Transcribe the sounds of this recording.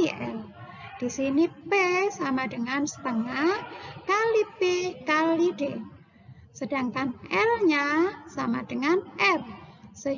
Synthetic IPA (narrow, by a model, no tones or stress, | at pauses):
ɛ̰l | d̪̥isinipesamadəŋansə̥pəŋakalipekalid̥e | səd̥aŋkanʔɛlɲasamad̥əŋanʔɛrsə